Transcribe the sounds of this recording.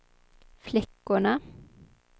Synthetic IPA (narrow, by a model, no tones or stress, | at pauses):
flɛkːʊɳə